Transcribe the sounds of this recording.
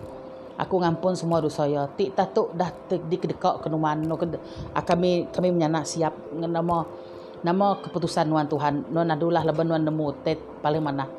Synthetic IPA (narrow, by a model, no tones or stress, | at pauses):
ʔa̰kuŋampʊnsəmuadusɔjɔt̪iʔt̪aht̪ʊʔdaht̪ədikədəkɔʔkənumanːɔkə | akamikamiməɲanaʔsiap̚namɔ | namɔkəput̪usanːuant̪uɦanːuanadulaɦlabanːuandəmut̪at̪̚palɪŋmanah